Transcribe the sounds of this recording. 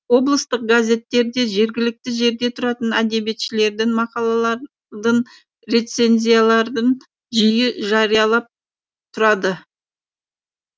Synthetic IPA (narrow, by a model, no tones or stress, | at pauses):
wo̞blˠəst̪əq̚ɡazʲe̞t̪ːe̞ɾd̪e̞ʒe̞ɾɡʲɪlɪk̚t̪ɪʒe̞ɾd̪e̞t̪ʰʊɾɑt̪ənæd̪e̞be̞t̪ʃɪle̞ɾd̪ɪŋmɑqɑlˠɑlˠɑɾ | d̪ən | ɾe̞t̪se̞nʲzʲijalˠɑɾd̪əɴ | ʒijɪʒɑɾijɑlˠɑp̚ | t̪ʰʊɾɑd̪ə